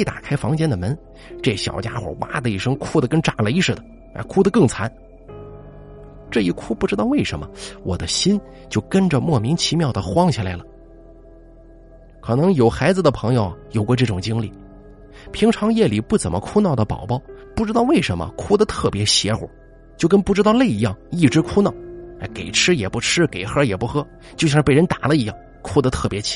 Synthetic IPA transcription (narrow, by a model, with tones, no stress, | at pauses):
ɪt̪a̰˨˩kʰa˥ɪfɑ˧˥ŋt͡ɕjɛ˥nd̪ə˨˩mə˧˥n | ʈ͡ʂɤ˥˩ɕjɑ̰˨˩ʊt͡ɕja̰˥xwɔ̰˨˩wa̰˥d̪ə˧i˥˩ʂɤ˥ŋkʰu˥˩d̪ə˩kə˥nʈ͡ʂa˨˩lə˧i˧˥ʂɻ̩˥˩d̪ə˩ | a̰˧˩kʰu˥d̪ə˧kɤ˥˩ŋt͡sʰa˧˥n | ʈ͡ʂɤ˥˧i˥˩kʰu˥pu˥˩ʈ͡ʂɻ̩˥t̪ɑ˥˧ʊwe˥˩ɪʂə̰˧˥nmə˧wʔɔ˨˩d̪ə˦ɕi˥n | t͡ɕjo˥˩ʊkə˥nʈ͡ʂə˧mwɔ˥˩mi˧˥ŋt͡ɕʰi˧˥mjɑ˥ʊd̪ə˩xwɑ˥ŋt͡ɕʰi˨la˧˥ɪlə˩ | kʰɤ˨˩nɤ˧˥ŋjo˨˩ʊxa˧˥ɪd͡zɹ̩˧˩d̪ə˩pʰɤ˧˥ŋjo˧ʊjo˨˩ʊkwɔ˥˧ʈ͡ʂɤ˥˩ʈ͡ʂʊ˨˩ŋt͡ɕi˥ŋli˥˩ | pʰi˧˥ŋʈ͡ʂʰɑ˧˥ŋjɛ˥˩li˨˩pu˥˩t͡sə˨˩nmə̰˦kʰu˥nɑ˥˩ʊd̪ə˩pɑ̰˨˩ʊpɑ˥˩ʊpu˥˩ʈ͡ʂɻ̩˥t̪ɑ˥˧ʊwe˥˩ɪʂə˧˥nmə̰˧kʰu˥d̪ə˨t̪ʰɤ˥˩pjɛ˧˥ɕjɛ˧˥xwɔ̰˨˩˦ | t͡ɕjo˥˧ʊkə˥npu˥˩ʈ͡ʂɻ̩˥t̪ɑ˥˧ʊle˥˩ɪi˧˥jɑ˥˩ŋi˥˩ʈ͡ʂɻ̩˥kʰu˥nɑ˥˩ʊ˥˩ɪke˨˩ɪʈ͡ʂʰɻ̩˥jɛ˨˩pu˥˩ʈ͡ʂʰɻ̩˥ke˨˩ɪxɤ˥jɛ˨˩pu˥˩xɤ˥ | t͡ɕjo˥˧ʊɕjɑ˥˧˥pə˧˥nt̪a˨˩lə˦i˧˥jɑ˥˩ŋ | kʰu˥d̪ə˧t̪ʰɤ˥˩pjɛ˧˥t͡ɕʰi̥˧˥